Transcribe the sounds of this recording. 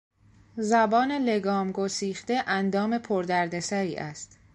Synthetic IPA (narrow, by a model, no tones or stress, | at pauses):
zæbɒːne̞le̞ɡɒːmɡosiːxd̪e̞ʔænd̪ɒːme̞pʰoɾd̪æɾd̪e̞sæɾiːʔæst̪